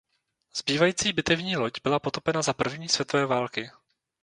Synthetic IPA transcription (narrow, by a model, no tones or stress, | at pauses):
z̥biːvajiːt͡siːbɪt̪ɛvɲiːlocbɪlapo̞t̪opɛnazapr̩vɲiːsvjɛt̪ovɛːvaːlkɪ